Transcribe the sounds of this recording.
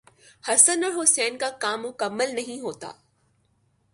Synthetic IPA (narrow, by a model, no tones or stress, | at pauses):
hɐsənəlɦʊsɛːnkakaːmːʊkəmːəlnɐɦĩɦoːt̪a̰ː